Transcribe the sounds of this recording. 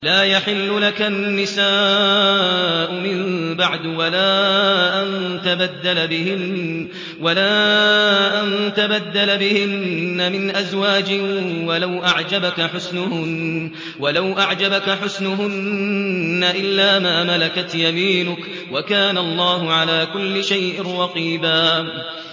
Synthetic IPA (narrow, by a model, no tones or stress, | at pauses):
laːjaħɪlːʊlakanːɪsaː | ʔʊmɪmbaʕd̪walaːʔant̪abad̪ːalabɪhɪn | walaː | ʔant̪abad̪ːalabɪhɪnːamɪnʔazwaːd͡ʒɪwalawʔaʕd͡ʒabakaħʊsnʊhʊn | walawʔaʕd͡ʒabakaħʊsnʊɦʊnː | aʔɪlːaːmaːmalakat̪jamiːnʊk | wakaːnalˤːɑːhʊʕalaːkʊlːɪʃajʔɪnɾɑqiːbaː